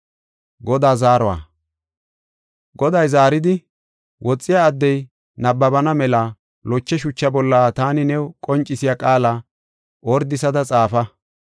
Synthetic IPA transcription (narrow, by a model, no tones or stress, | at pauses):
ɡɔd̪aːzaːɾɔwa̰ː | ɡɔd̪ɐjzaːɾɪd̪ɪ | wʔɔt͡sʼːɪjaːd̪ːɛj | nɐbːɐbɐnɐmɛlɐ | lɔt͡ʃːɛʃʊt͡ʃːɐbɔlːaːt̪aːnɪnɛwkʼɔnt͡ʃʼːɪsɪjakʼaːlaː | ʔɔɾd̪ɪsɐd̪ɐt͡sʼaːfɐ